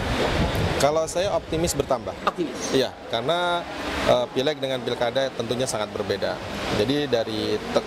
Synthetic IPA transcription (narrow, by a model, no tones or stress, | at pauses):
kalawsajaop̚t̪imɪsbərt̪amba̰hɔt̪ija | karənaʔəpilɛk̚dəŋanpilkadat̪ənt̪uɲasaŋat̪̚bərbeda̰d͡ʒadidaɾit̪ə